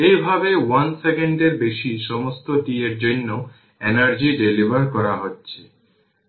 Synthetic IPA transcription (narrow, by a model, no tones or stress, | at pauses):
ejbʱabewansekeɳɖeɾbeʃiʃɔmost̪oʈieɾd͡ʑonːo | ɛnaɾd͡ʑiɖelibaɾkɔɾaɦotːɕʰe̥